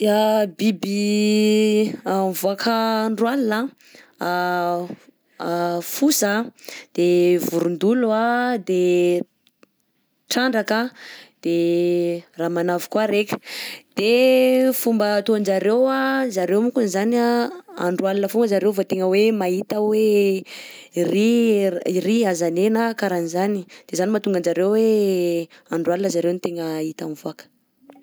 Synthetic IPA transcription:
abibi | amvuakʰəɳɖ͡ʐualinə | fusad̪̥evuɾund̪uluad̪e | ʈ͡ʂaɳɖ͡ʐakəd̪̥e | raːmanavi̥kwaɾekʲə̥d̪̥efumbət̪oand͡ʒaɾewazaɾewmukunizanaa̰ɳɖ͡ʐualinəfumɡəzaɾewvot̪eŋəwemait̪əwe | riiriazanenəkaɾanizanid̪̥ezanimat̪uŋɡand͡ʒaɾewwe | aɳɖ͡ʐualinəzaɾewnit̪eŋəit̪amvoakə̥

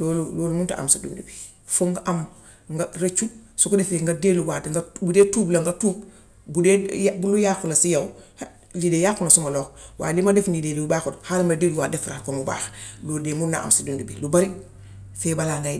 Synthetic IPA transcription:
loluloːlumunta̰ʔa̰msidṵndubi | foŋɡaʔam | ŋɡaɾet͡ʃusukudefeŋɡadeːluwatŋɡabudeːtuːblaŋɡatub̚ | budebulujaːkulasijawh | lidejaxunasumalɔːkwa̰ːdimadefnidediubakuthalmadedwadefɾakomuba̰ːxlodemuna̰ʔa̰msidundubḭlubaɾi | feːbalaŋɡa

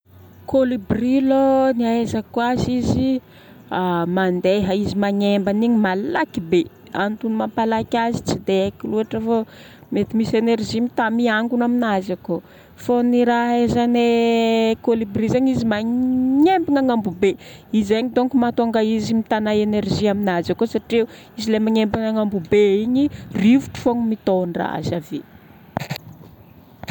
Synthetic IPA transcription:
kolibriloniaezakwazizi | amand̪eɦəizimaɲembaniɲimalakibe | a̰nit̪unumampalakʲazit͡sid̪eakiluaʈ͡ʂəvo | met̪imisenerʒimit̪amiaŋɡunaminazako | foniɾaɦezane | kolibrizeɲizimaɲembiŋaŋambubeizeɲit̪oŋkumat̪aŋɡaizimit̪anaenerʒiaminazakosaʈ͡ʂiu | izilemaɲembiŋaŋambubeiɲirivuʈ͡ʂu̥foŋmit̪onra̰a̰zave

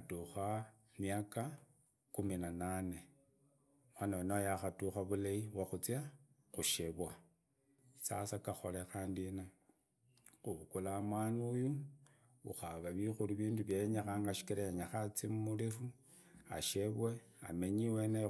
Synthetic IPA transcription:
tuxa | mjaka | kuminanane̞ | mwanawenajaxatuxaβulaiwaxut͡sja | xuʃeβwa | isasakaxo̞̰lexaːndina | xuβukulamwanuju | uxaβaβixuluβiːnduβjeɲaxaːŋɡaʃi̥kiɾaeɲaxat͡simumulifu | a̰ʃeβwe̞ | a̰meɲiwena

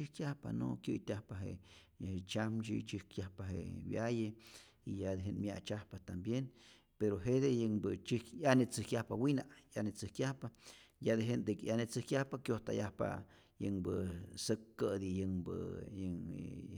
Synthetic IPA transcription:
ɨhkjahpa̰no̰kjɨjt̪ʲahpaɦḛ | het͡ʃamt͡ʃḭt͡ʃɨhkjahpaɦḛwjaje | ijad̪eɦenmja̰t͡ʃahpat̪ambjen | peɾoɦed̪ejeŋbɨt͡ʃikanet͡sɨhkjahpawinajanet͡sɨhkʲjahpajad̪eɦend̪ekjanet͡sɨhkʲjahpakjoht̪a̰jahpa̰ | jə̰ŋbəsəkːəd̪ijəŋbə̰jəŋ

